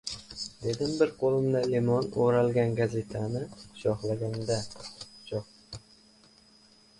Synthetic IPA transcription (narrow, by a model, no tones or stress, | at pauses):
d̪̥e̞d̪ɪmbɪɾqʰolˠɪmd̪alemɒnoɾalˠɡʲanɡaze̞t̪ʰanɪʃɒhlaɡʲand̪aʃɒχ